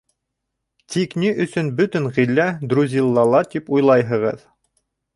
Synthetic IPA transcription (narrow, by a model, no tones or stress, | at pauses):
t̪ʰikniʔɵ̆sɵnbɵt̪ɵŋʁilːæd̪ɾuzʲilˠːɑlˠɑt̪ipujlˠɑjɦɤ̆ʁɤ̰ð